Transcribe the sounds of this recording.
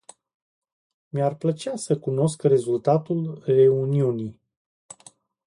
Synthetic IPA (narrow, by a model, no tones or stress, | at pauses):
marplət͡ʃeasəkuno̞skre̞zult̪at̪ulre̞uniunij